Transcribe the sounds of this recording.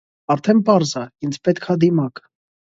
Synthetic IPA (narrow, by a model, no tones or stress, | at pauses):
ɑɾt̪ʰɛnpɑɾzɑind͡zpɛt̪kʰɑd̪imɑk